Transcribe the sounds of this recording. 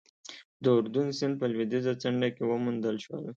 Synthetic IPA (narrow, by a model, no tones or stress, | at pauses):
d̪əʊɾd̪unsɪnd̪̚pəlwid̪izat͡saɳɖakewəmund̪əlʃwə̰l